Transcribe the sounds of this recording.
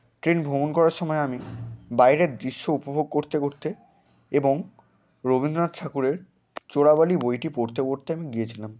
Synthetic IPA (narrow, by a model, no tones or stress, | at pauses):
ʈɾenbʱomonkɔɾaɾʃɔmɔeamibajɾed̪ɾiʃːoupobʱoɡ̚koɾt̪ekoɾt̪e | eboŋ | ɾobind̪ɾonad̪ʈʰakuɾeɾ | t͡ɕoɽabalibojʈipoɾt̪ekoɾt̪eamiɡijet͡ɕʰilam